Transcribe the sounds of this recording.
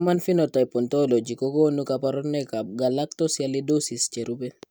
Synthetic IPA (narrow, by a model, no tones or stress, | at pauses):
manfinɔtajpɔntolod͡ʒikɔkɔnukapaɾɔnɛkab̚ɡalak̚tɔsjalidosist͡ʃeɾubɛ